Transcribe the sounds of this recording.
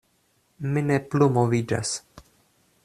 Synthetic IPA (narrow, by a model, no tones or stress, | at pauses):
mineplumovid͡ʒa̰s